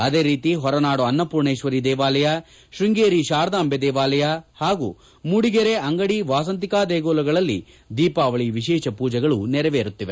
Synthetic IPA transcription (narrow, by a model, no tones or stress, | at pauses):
ɐd̪eːɾiːt̪iɦɔɾɐnaːɽuɐnːɐpuɾɳeːʃʋɐɾid̪ɛːʋaːlɐjɐ | ʃɾiŋɡeːɾiʃaːɾd̪aːmbed̪ɛːʋaːlɐjahaːɡṵː | muɽiɡeɾeʔɐŋɡɐɽiʋaːs̬ɐnt̪ikaːd̪eːɡoːlɐɡɐɭɐlːḭ | d̪iːpaːʋɐɭiʋiʃɛːʃɐpuːd͡ʒɐɡɐɭunɛɾɛʋeːɾut̪ːiʋe